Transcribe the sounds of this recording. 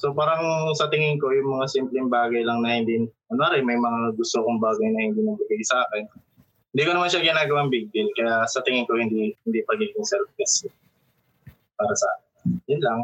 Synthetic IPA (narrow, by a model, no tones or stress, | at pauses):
sopaːɾɐŋsɐt̪ɪŋɪŋko̞jʊŋmɐŋasimplɪŋbaːɡɐjlɐŋnɐhɪnd̪i | ɐnaɾɛmɐjmɐŋaɡʊst̪okoŋbaːɡɐjnɐhɪnd̪inɐbɪɡajsʔaːkɛn | hɪnd̪iːkonɐmanʃaɡɪnaːɡɐwaŋbiɡ̚bɪlkɐjasɐt̪ɪŋɪŋko̞hɪnd̪ihɪnd̪ipɐɡiːɡɪŋsɛlf̚ɡɐsɛ | paːɾɐsɐʔa̰ːkɪnjʊnlaŋ